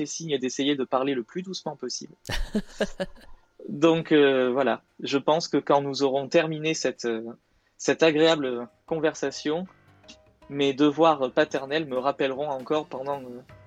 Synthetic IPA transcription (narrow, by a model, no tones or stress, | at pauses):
fɛsiɲəd̪esejed̪əpaʁleləplyd̪usmɑ̃pɔsḭbl | d̪ɔ̃køvwala̰ | ʒəpɑ̃skəkɑ̃nuzɔʁɔ̃t̪ɛʁminesɛt̪ø | sɛt̪aɡʁeabl | kɔ̃vɛʁsasjɔ̃ | med̪əvwaʁpat̪ɛʁnɛlməʁapɛlʁɔ̃ɑ̃kɔʁpɑ̃d̪ɑ̃ø